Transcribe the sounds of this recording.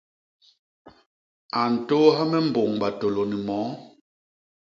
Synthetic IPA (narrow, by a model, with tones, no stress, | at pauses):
a˨n̩˨to˦ɦa˦mɛ˦m̩˨bo˨ŋɓa˨to˨lo˨ni˨mɔː˨˦